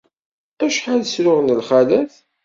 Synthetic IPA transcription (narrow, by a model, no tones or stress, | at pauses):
æʃħalsɾʊʁnəlχælæθ